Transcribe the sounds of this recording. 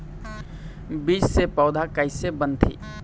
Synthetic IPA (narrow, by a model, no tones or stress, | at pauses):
biːsːepɔʊd̪ʱakəɪsebənt̪ʰḭː